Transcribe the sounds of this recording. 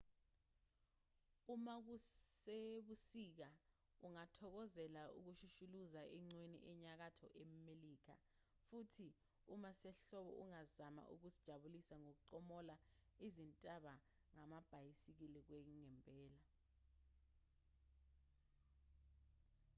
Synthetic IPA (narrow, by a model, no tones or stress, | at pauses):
umak̬useɓusik̬a | uŋatʰɔk̬ɔzɛlaṵk̬uʃuʃuluzaʔɛŋ͡ǀwenḭʔɛɲak̬atʰɔ̰ʔɛmeliːk̬a̰ | futʰi | umasɛɬɔɓɔ̰ʔuŋazama̰ʔṵk̬usid̥ʒ̥ʱaɓulisaŋok̬uǀɔmɔlaizintʼaɓa | ŋamab̥ʱajisik̬ilik̬weŋŋɛmpʼɛːla